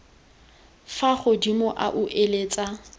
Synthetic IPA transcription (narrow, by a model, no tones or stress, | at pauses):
faχʊdimʊʔa̰ʔʊʔeleːt͡sʼa